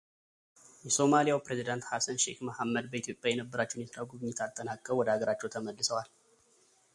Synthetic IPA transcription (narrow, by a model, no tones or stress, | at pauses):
jɛso̞malijawpɾezid̪ant̪hasənʃḛhməhamːəd̪̚bəit̪jo̞pʼjajɛnəbːəɾat͡ʃːɛhunjɛt̪ʰəɾawɡuβɨɲːɪt̪ʰalt̪ʼːənakʼːəwɔd̪əaɡəɾat͡ʃːɛwt̪ʰəməlːɨsəwal